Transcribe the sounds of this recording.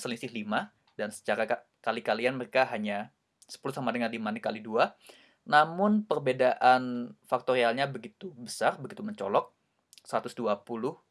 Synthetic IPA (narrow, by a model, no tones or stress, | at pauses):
səlisɪhlima | dansə̥t͡ʃaɾa | kalikalianməɾekaɦaɲa | sə̥pulusamadəŋardimanɪkalidua | namʊnpərbedaʔanfak̚t̪oɾialɲabəɡit̪ubəsarbəɡit̪uməɲt͡ʃɔlɔk̚ | səɾat̪ʊsduapulʊh